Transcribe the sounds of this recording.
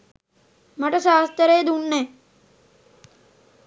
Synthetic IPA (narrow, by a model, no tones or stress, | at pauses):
mɐʈɐʃaːst̪əɾeːd̪unːɛ